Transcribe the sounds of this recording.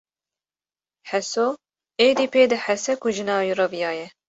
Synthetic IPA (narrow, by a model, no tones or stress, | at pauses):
ħɛsoː | eːd̪iːpeːd̪ɨħɛsɛkʊʒɨnɑːwiːrɐvijɑːjɛ